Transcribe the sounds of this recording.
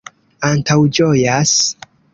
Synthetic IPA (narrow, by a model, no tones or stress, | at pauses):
antawd͡ʒojas